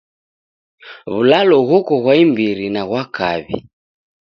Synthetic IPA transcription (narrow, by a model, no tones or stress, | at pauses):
βulalɔɣɔkɔɣwaimbiɾinaɣwakaβḭ